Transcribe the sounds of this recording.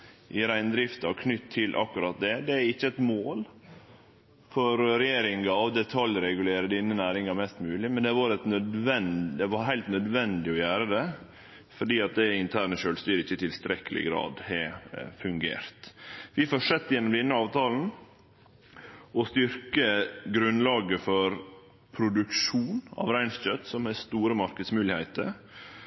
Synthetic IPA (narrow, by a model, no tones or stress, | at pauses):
ʔɪɾæɪnd̪ɾɪft̪ɑkʰnʏt̪ʰːɪlʔɑ̰kːʉɾɑt̪̚d̪ɛd̪ɛæɾɪçːəɛt̪moːl | fɔɾɾɛjeːɾɪŋɑɑʋd̪ɛt̪ʰɑljɾɛɡʉleːɾəd̪iːnənæːɾɪŋɑmɛst̪mʉːlɪmɛnd̪ɛʋɑɾɛt̪nœd̪ʋɛnd̪ɛʋɑɦæɪlt̪nœd̪ʋɛnd̪ɪɔjæːɾəd̪ɛ | fɔɖiːɑt̪̚d̪ɛɪnt̪ʰæːɳəʃøːlst̪yːɾɪçːət̪ʰɪlst̪ɾɛkəlɪ̰ɡɾɑ̰ːd̪hɛfʉŋɡḛːɾt̪ʋɪfɔʂɛt̪ːjɛnːɔmd̪ɛnːəɑːʋt̪ʰɑːln̩ | ɔst̪ʏɾkəɡɾʉnːlɑːɡəfɔɾ | pʰɾʊd̪ʉkʂuːnɑ̰ːʋɾæɪnsc͡çœt̪ːsɔmɛst̪uːɾəmɑɾkəd̪smʉːlɪhæɪt̪ə̰ɾ